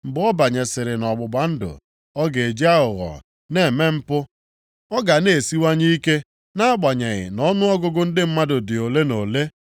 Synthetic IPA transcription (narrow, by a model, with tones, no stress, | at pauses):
m̩˨bɔ˦ba˨ɲe˨sɪ˨ɾɪ˨nɔ˨ɡ͡bʊ˨ba˨n̩˦dʊ̰˨ | ɔ˦ɡe˨d͡ʒi˦a˦ʊ˨ɣɔ̰˨ | ne˦˨me˦m̩˦pʊ˦ | ɔ˦ɡa˨ne˨si˦wa˦ɲi˦i˦ke˦ | na˦a˦ɡ͡ba˨ɲe˨ɣɪ̰˨nɔ˦nʊ˦ɔ˦ɡʊ˦ɡʊ˦n̩˦dɪ˦m̩˦ma˦dʊ˨dɪ˨o˨le˦no˨le˦